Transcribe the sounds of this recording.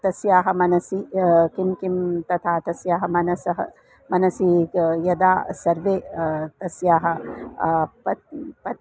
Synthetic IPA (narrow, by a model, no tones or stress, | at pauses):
t̪ɐsjaːɦɐ̆mɐnɐsikimkimt̪ɐt̪ʰaːt̪ɐsjaːɦɐmɐnɐsɐɦɐ̰ | mɐnɐsijɐd̪aːsɐɾʋeːt̪ɐsjaːɦɐ | pɐpɐ